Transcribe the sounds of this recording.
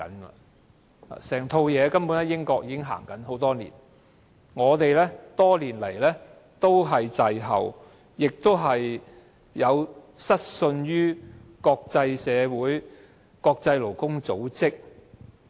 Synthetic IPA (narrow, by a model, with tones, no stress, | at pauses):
ɐ̰˨˥nɐ˨ | a̰ː˨sɛː˨˩ŋt̪ʰo˧wjɛː˨˧kɐ˥mpuː˨˥nɛ˥jɪ˥ŋkɔː˧k̚jiː˧kɪ˥ŋɦa̰ː˨˩ŋkɐ˨˥nɦo˨˥wt̪ɔː˥nḭː˨˩n | ŋɔː˨˧t̪e˨jlɛː˥t̪ɔː˥liː˨˩nlɐ˨˩jlɛː˥ | t̪o˥wɦɐ˨jt͡sɐ˨jɦɐ̰˨w | jɪ˨k̚t̪o˥wɦɐ˨j | jɐ˨˧wsɐ˥t̚sɵ˧nɥyː˥kɔː˧k̚t͡sɐ˧jsɛː˨˧wuː˨˥j | kɔː˧k̚t͡sɐ˧jlo˨˩wkʊ˥ŋt͡so˨˥wt͡sɪ˥k̚